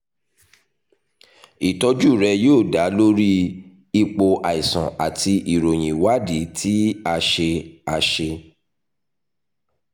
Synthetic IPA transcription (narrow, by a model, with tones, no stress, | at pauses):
i˨tɔ˧d͡ʒu˦˨ɾɛ˧joː˦˨da˨˦lo˦ɾi˦ | i˧k͡po˧ʔa˨i˨sɔ̰̃˨a˨ti˧ʔi˨ɾo˨j̃ĩ˨wa˦di˨˦tʰi˦a˧ʃe˧a˧ʃe˧